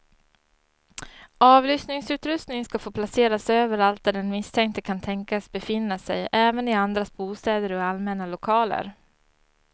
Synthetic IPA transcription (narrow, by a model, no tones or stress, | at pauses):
ɑːvlʏsnɪŋsʉ̟ːt̪ɾɵst̪nɪŋskafoːpʰlaseːɾasøːvəɾalt̪̚d̪æɖɛnmɪst̪ʰɛŋk̚t̪əkʰant̪ʰɛŋkasbɛfɪnːasɛ̰jʔɛːvənɪand̪ɾasbuːst̪ɛːd̪əɾɔalmɛnalʊkʰɑːlə̰ɾ